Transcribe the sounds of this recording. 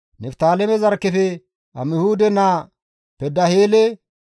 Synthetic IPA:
nɛft̪aːlɛmɛzɐɾkːɛfɛ | ɐ̰mɪhuːd̪ɛnaː | pɛd̪ːɐheːlɛ

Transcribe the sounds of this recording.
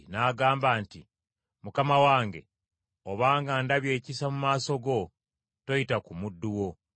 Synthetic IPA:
naːɡaːmbaːnti | mukamawaːŋɡe̞̰ | o̞βaːŋɡandaβje̞ːcisamumaːso̞ɡo̞ | to̞jitakumudːuwo̞

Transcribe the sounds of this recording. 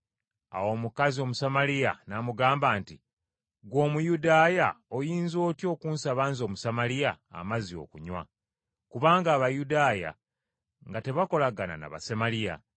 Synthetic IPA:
a̰wo̞mukazio̞musamalija̰namuɡaːmbaːnti | ɡwo̞ːmujudaːjao̞jiːnzo̞ːtjo̞ːkuːnsaβaːnzo̞ːmusamalija̰ːmazio̞̰kuɲwa̰ | kuβaːŋɡaːβajudaːja̰ | ŋɡate̞βako̞laɡana̰na̰βa̰se̞malija̰

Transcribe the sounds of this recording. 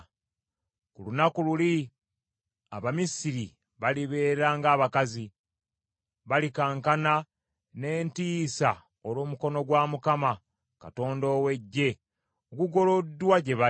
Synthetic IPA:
kulunakululi | a̰βamisiɾi | βaliβe̞ːɾaːŋɡaːβakazi | βalikaːŋkana | ne̞ːntiːsa | oloːmuko̞no̞ɡwamukama | ka̰to̞ːndo̞ːwe̞ɟːe̞ | okuɡo̞lo̞dːwaɟe̞βa

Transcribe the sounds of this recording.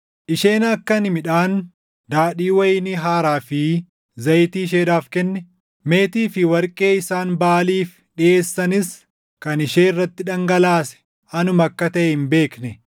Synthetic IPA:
ʔɪʃeːnɐkːɐnɪmɪᶑaːn | d̪aːᶑiːwɐjɪnɪɦaːɾaːfɪ | zɐjt̪iːʃ̬eːd̪aːfkɛnːɛ | me̞ːt̪iːfɪwɐɾkʼe̞ːɪsaːnbaːliːf | ɗɪʔe̞ːsːɐnɪs | kɐnɪʃeːɪrːɐt̪ːɪᶑɐŋɡɐlaːsɛ̥ | ɐnʊmɐkːɐt̪ɐʔɛɪnbe̞ːknɛ

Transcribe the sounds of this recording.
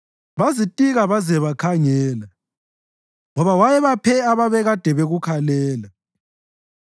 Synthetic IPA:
βazitʼiɣaβazɛβakʰaŋɛːla | ŋɔβawajɛβapʰɛaβaβɛɣad̥ʱɛβeɣukʰalɛːla

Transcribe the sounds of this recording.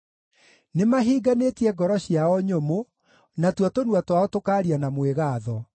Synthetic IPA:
nemaɦiːɡanetiɛɡɔɾɔɕiaɔɲomo | natwatonwatwaɔtokaːɾianamweɣaːðɔ

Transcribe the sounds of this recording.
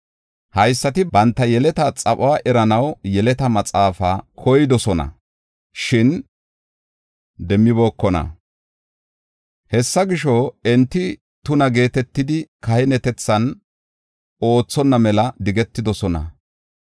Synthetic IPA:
hɐjsːɐt̪ɪbɐnt̪ːɐjɛlɛt̪ɐt͡sʼɐpʼʊwaʔɛɾɐnɐwjɛlɛt̪ɐmɐt͡sʼaːfaːkʰɔjɪd̪ɔsɔnɐ̰ | ʃɪn | d̪ɛmːɪbo̞ːkːɔnɐ̰ | hɛsːɐɡɪʃɔɛnt̪ːɪ | t̪ʊnɐɡe̞ːt̪ɛt̪ːɪd̪ɪkɐhɪnɛt̪ɛt͡sːɐn | o̞ːt͡sːɔnːɐmɛlɐd̪ɪɡɛt̪ːɪd̪ɔsɔnɐ̰

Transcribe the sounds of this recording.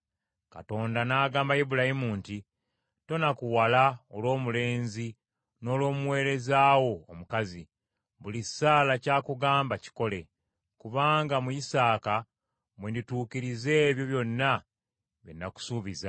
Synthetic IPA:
ka̰to̞ːndanaːɡaːmbajibulahimuːnti | to̞nakuwalaolwo̞ːmule̞ːnzi | no̞ːlo̞ːmuwe̞ːɾe̞zaːwo̞ːmukazi | βulisaːlacaːkuɡaːmbaci̥ko̞le̞ | kuβaːŋɡamujisaːka | mwendituːkiɾize̞ːβjo̞βjo̞nːa | βenːaku̥suːβiza

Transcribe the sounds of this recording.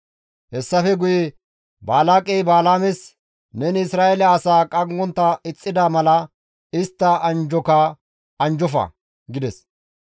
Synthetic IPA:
hɛsːɐfɛɡʊjɛ | baːlaːkʼɛjbaːlaːmɛs | nɛnɪsɾaːɛlɛɐsaːkʼɐŋɡɔnt̪ːɐɪt͡sʼːɪd̪amɐlɐ | ɪst̪ːɐɐnd͡ʒɔkɐ | ɐnd͡ʒɔfɐ̰ | ɡɪd̪ɛs

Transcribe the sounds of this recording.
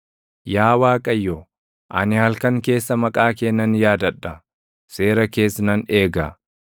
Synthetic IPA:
jaːwaːkʼɐjːɔ | ʔɐnɪhɐlkɐŋke̞ːsːɐmɐkʼaːkeːnːɐnjaːd̪ɐᶑːɐ | se̞ːɾɐke̞ːsnɐne̞ːɡɐ̰

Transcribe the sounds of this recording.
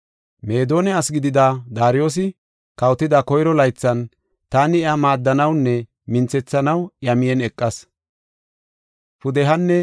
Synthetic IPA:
meːd̪o̞ːnɛɐsɡɪd̪ɪd̪ad̪aːɾɪjo̞ːs̬ɪ | kɐwt̪ːɪd̪ɐkɔjɾɔlɐjt͡sːɐn | t̪aːnɪɛamaːd̪ːɐnɐwnːɛ | mɪnt͡sɛt͡sːɐnɐwjɐmɪjɛnɛkʼːɐs | pʊd̪ɛɦɐnːɛ

